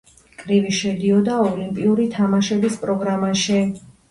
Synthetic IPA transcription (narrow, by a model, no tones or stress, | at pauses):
kʼɾiviʃɛd̪iɔd̪aɔlimpʼiuɾit̪ʰamaʃɛbispʼɾɔɡɾamaʃɛ